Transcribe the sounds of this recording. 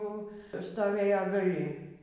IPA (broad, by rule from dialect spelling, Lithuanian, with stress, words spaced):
ˈjɛʊ stoːˈʋʲeːjɛ ɡɐˈlʲɪ